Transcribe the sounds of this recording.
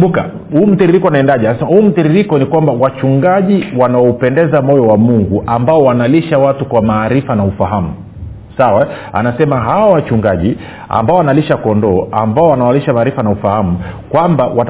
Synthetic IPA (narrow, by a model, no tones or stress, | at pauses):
mbuka̰ | huːm̩tiɾiɾikɔunaɛndaʄɛsɛhuːm̩tiɾiɾikɔnikwambawat͡ʃuŋɡaʄiwanaɔupɛndɛzamɔjɔwamuŋɡuʔambaɔwanaliʃawatukwamaːɾifanaufaɦamu | sawaa̰nasɛmaɦawawat͡ʃuŋɡaʄi | a̰mbaɔwanaliʃakɔndɔːʔambaɔwanaaliʃamaːɾifanaufahamukwambawa